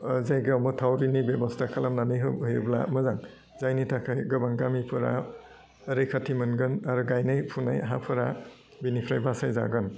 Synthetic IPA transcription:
zajɡawmɯtʰawɾinibebɔstʰakʰalamnanɯjɦɯɯjbla̰mɯzaŋ | zajnitʰakʰajɡɯbaŋɡamipʰɯɾa̰ | əɾɯjkʰatʰimɯnɡɯnaɾɯɡajnajpʰuna̰jɦa̰pʰɯɾa | binipʰɾajbasajza̰ɡɯn

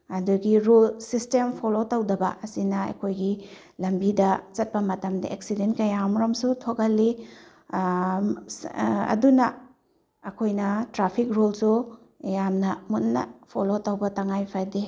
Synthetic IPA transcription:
ɐduɡiɾulsistempʰolotɐwdɐbɐ̰ʔɐsinɐɐ̰kʰojɡi | lɐmbidɐt͡ʃɐt̚pɐmɐtɐmdɐ̰ʔeksidentkɐjamɾomsutʰokɐlːi | ɐ̰dunɐ | ɐkʰojnɐtɾapʰik̚ɾulsu | jamnɐmutːɐ̰pʰolotɐwbɐtɐŋajpʰade

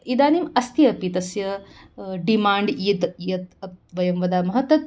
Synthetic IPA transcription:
id̪aːnimɐst̪ijɐpit̪ɐsjɐ | ɖimaːɳɖid̪jɐt̪ɐt̪ʋɐjɐmʋɐd̪aːmɐɦɐt̪ɐt̪̚

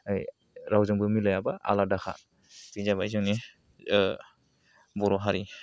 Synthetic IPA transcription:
ɯj | ɾawzɯŋbɯmilɔjabaa̰ladaxʰa̰ | b̥izabajzɯŋni | bɔɾɔɦaɾi

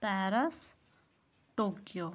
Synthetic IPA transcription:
t̪aɾəs | ʈokjo

